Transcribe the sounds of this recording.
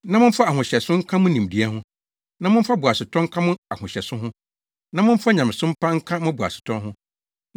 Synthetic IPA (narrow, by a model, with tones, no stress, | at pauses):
nã˦mʊ̃˦m̩˦fa˦a˨ɦʊ̃˨ɕɛ˨sʊ̃˦ŋ̩˦kʰã˦mʊ̃˦nĩ˨mdi˦ɛ˦ɦʊ̃˦ | nã˦mʊ̃˦m̩˦fa˦bʊ˨a˨sʊ˨tʰɔ̃˦ŋ̩˦kʰã˦mʊ̃˦a˨hʊ̃˨ɕɛ˨sʊ̃˦ɦʊ̃˦ | nã˨˦mʊ̃˦m̩˦fa˦ɲã˨mɪ̃˨sʊ̃˦m̩˦pʰã˦ŋ̩˦kʰã˦mʊ̃˦bʊ˨a̰˨sʊ̥˨tʰɔ̃˦nɦʊ̃˦